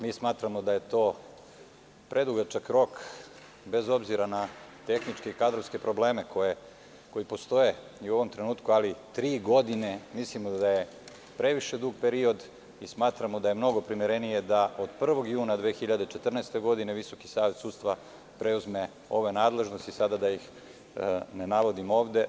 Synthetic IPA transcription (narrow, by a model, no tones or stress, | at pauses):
miːsmaːt̪ɾamo̞d̪aje̞t̪o̞ː | pɾʔe̞d̪uɡat͡ʃakɾo̞k | be̞zo̞bziɾanat̪e̞xnit͡ʃke̞ikad̪ɾofske̞pɾo̞ble̞ːme̞koje | ko̞jipo̞st̪o̞je̞ | uo̞ʋo̞mt̪ɾe̞nuːt̪kualit̪ɾiːɡo̞d̪ine̞mislimod̪aje | pɾe̞ʋiʃe̞d̪uːɡpeɾio̞d̪ | ismaːt̪ɾamod̪aje̞mno̞ɡo̞pɾimiɾe̞nije̞d̪aʔod̪pr̩ʋo̞ɡjuːnad̪ʋeːxiʎad̪et͡ʃe̞t̪r̩naest̪e̞ɡo̞d̪ine̞ʋiso̞ki̥saːʋe̞t̪suːd̪st̪ʋa | pɾeuzme̞ | o̞ʋenaːd̪le̞ʒno̞st̪isad̪ad̪ajix | nenaʋo̞d̪imo̞ːʋd̪e̞